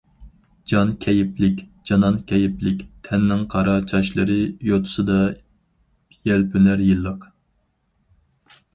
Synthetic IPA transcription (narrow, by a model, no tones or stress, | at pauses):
d͡ʒɑnkʲʰɛjɪplɪkʲd͡ʒɑnɑnkʲʰɛjɪplɪkʲt̪ʰɛnːɪŋqʰɑɾɑt͡ʃʰɑʃlˠɨɾɨjot̪ʰʊ̥sɨd̪ɑ | jɛlpʰynæɾjilˠːəq